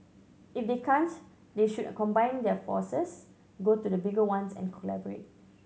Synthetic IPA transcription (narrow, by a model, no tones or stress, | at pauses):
ifdekʰãnt | deʃudkɔ̃mbãj̃ndɛfɔ̰səs | ɡotudəbiɡəwãnsɛ̰̃nkʰɔlɛ̰bəɹḛt̚